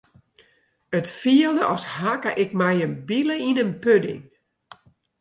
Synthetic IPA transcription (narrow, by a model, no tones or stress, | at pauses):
ətfiəlˠdəʔɔshakə̰ʔɪkmɛjənbiləinənpødɪ̰ŋ